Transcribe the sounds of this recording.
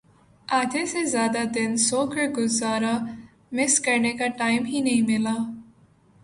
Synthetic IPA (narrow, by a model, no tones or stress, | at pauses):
aːt̪esezjaːd̪ad̪ɪnsoːkɐɡʊzaːɾa | mɪskɐɾnekaʈaːjɪmɦinɐɦĩmɪla